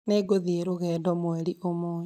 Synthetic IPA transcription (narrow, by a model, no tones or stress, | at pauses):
neɡoðieɾoɣɛːdɔmwɛɾiʔomoː